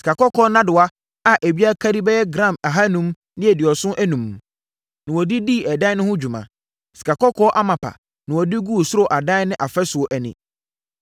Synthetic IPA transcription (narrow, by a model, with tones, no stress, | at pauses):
si̥˨kʰa˨kɔ˦kʰɔ˦nã˦dʊ˨a˦ | a˨ʔe˨bi˦a˦kʰa˦di˦bɛ˦jɛ˦ɡɾã˦˨ma˨ɦa˦nũ˦m | dɪ̃˦ɛ˨dɪ˨ɔ˨sʊ̃˦ʔæ˦nũ˨m | nɪ̃˨wɔ˨di˦diː˦˨ɛ˨dã˦nʊ̃˦hʊ̃˦d͡ʑᶣu˨mã̰˨ | si̥˨kʰa˨kɔ˦kʰɔ˦ʔa˦mã˨pʰa̰˨ | nɪ̃˨wɔ˨di˦ɡu˦˨sʊ˦ɾo˨ʔa˨dã˦nɪ̃˦ʔa˨fɛ˦sʊ˨ɔ˨ʔæ˨nɪ̰̃˨